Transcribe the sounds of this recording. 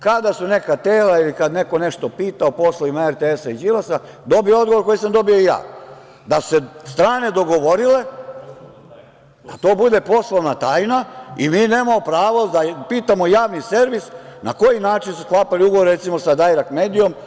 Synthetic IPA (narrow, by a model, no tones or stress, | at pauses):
kad̪asune̞kat̪eːlailikad̪ne̞ko̞ne̞ʃt̪opiːt̪aopo̞sloʋimaeɾt̪eesaid͡ʒilasa | d̪o̞bijood̪ɡoʋo̞ɾko̞jisamd̪o̞bioija̰ː | d̪asu̥sest̪ɾaːne̞d̪o̞ɡo̞ʋo̞ɾile̞ | d̪at̪o̞ːbud̪e̞po̞slˠoʋnat̪aːjnaimiːne̞ːmamopɾaːʋo̞d̪apiːt̪amo̞jaːʋnise̞ɾʋisnako̞jinaːt͡ʃinsusklˠaːpaliuɡoʋoɾɾe̞t̪simo̞sad̪ajɾakme̞ːd̪ijo̞m